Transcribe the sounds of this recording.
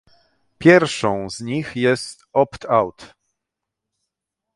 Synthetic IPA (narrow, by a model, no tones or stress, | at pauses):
pʲjɛɾfʂɔ̃w̃zɲixjɛst̪ɔpt̪ʰawt̪